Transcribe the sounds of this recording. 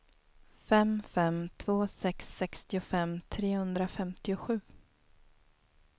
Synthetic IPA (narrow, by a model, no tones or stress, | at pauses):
fɛmfɛmt̪ʰv̥oːsɛksːɛkst̪ɪʊfɛmt̪ʰɾeːhɵnd̪ɾafɛmt̪ɪʊɧʉ̟ː